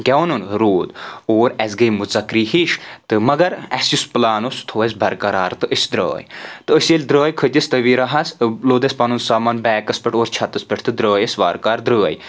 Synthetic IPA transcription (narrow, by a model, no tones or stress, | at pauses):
ɡʲɛwnunɾoːd̪oːɾɛzɡəjmuzɐkɾiːɦiʃt̪ɨmɐɡɐɾɛsjusplaːnust̪ʰoːɐsʲbɐɾkɐɾaːɾt̪ɨʔəsʲd̪ɾo̰ːjt̪ɨəsjɐlʲd̪ɾəːjkʰət̪ʲɐsʲt̪ɐʋiɾɐɦɐsloːd̪ɐsʲpɐnunsaːmɐnbɛːkɐspʲiʈʰoːɾt͡ʃʰɐt̪ɐspɐʈʰt̪ɨd̪ɾəːjɐsʋaːɾkaːɾd̪ɾəːj